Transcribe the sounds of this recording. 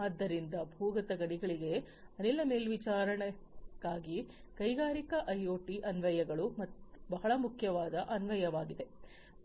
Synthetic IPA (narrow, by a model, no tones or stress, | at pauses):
ad̪ːɐɾind̪ɐbʱuːɡɐt̪ɐɡɐɽiɡɐɭiɡe̞ | ɐnilːɐmeːlʋit͡ʃaːɾɐɳɛ | ɡaːɡi | kɐjɡaːɾikɐʔɐjoːʈiʔɐnʋɐjɐɡɐɭumɐt̪bɐɦɐɭɐmukʰjɐʋaːd̪ɐʔɐnʋɐjɐʋaːɡid̪e̞